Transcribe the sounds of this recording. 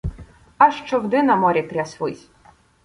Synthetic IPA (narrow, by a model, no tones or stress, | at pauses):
ɐʃt͡ʃɔwd̪ɪnɐmɔɾʲikɾʲasʲʋɪ̰sʲ